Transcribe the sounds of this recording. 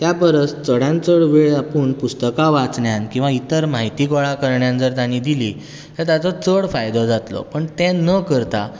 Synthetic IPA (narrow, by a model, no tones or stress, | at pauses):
t̪japəɾət͡st͡səɽjãnt͡səɽʋeɭapəːɳpust̪əkaʋat͡sɳjankĩw̃ʋait̪əɾmaɦit̪ikɔɭakəɾɳjand͡zəɾt̪añĩd̪iliː | t̪əɾt̪jat͡sɔt͡səɭfajd̪ɔd͡zat̪lɔ̰pəɳt̪ɛ̃nəkəɾt̪a̰